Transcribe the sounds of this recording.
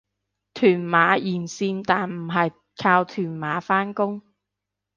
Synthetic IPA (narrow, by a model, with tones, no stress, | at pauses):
t̪ʰyː˨˩nmaː˨˧˥jiː˨˩nsiː˧nt̪aː˨nm̩˨˩ɦɐ˨j | kʰaː˧wt̪ʰyː˨˩nmaː˨˧˥faː˥nkʊ˥ŋ